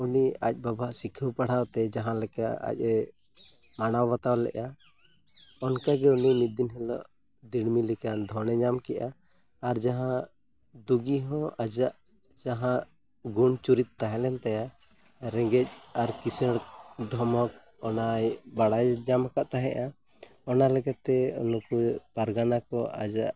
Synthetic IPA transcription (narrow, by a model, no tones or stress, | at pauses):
uniac̚ˀbabʱaʔsikʰuwpaɽ̤awt̪ɛd͡ʒaɦãlɛkaʔa̰c̚ˀɛ | manawbat̪awlɛ̰ʔa | ɔnkaɡɛunimid̪inɦɛlɔ̰ʔ | d̪iɽmilikand̪ʱɔnɛd͡ʒamkɛʔaː | ɾd͡ʒaɦã | d̪uɡiɦɔ̃ad͡ʒaʔ | d͡ʒaɦãʔ | ɡunt͡ʃuɾit̪̚ːaɦɛ̃lɛnt̪aja | ɾɛŋɡɛc̚aɾkisɛɽ̚d̪ʱɔmɔk̚ | ɔnajbaɽajd͡ʒamakaʔt̪aɦɛ̰ʔa | ɔnalɛɡat̪ɛɔ̰nɔkupaɾɡanakɔa̰d͡ʒaʔ